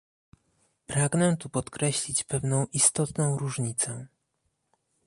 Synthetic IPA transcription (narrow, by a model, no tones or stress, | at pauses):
pɾaɡnɛt̪upɔt̪kɾɛɕlʲit͡ɕpɛvnɔ̃w̃ʔist̪ɔt̪nɔ̃w̃ɾuʐɲit̪sɛ